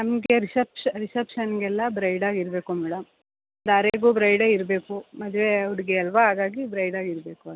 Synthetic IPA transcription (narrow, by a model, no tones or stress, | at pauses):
nɐmɡeɾisɐpʂɐɾisɐpʂɐnɡɛlːɐbɾɐjɖaːɡiɾbe̞ːkumɛːɽɐm | ɐd̪ɐɾeːɡubɾɐjɖeːiɾbeːkumɐd̪ʋeuɽiɡeɐlʋɐɦaːɡaːɡibɾɐjɖaːɡiɾbe̞ːkuɐd̪